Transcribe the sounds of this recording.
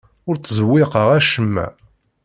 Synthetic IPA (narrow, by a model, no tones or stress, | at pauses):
ʊɾt͡sːzəwːɪqəʁæʃəmːæ̰